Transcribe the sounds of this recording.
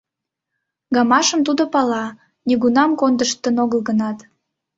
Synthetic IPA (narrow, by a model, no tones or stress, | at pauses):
ɡɑmɑʃəmt̪ud̪opɑlɑ | nʲiɣunɑmkond̪əʃt̪ənoɣəlˠɣənɑt̪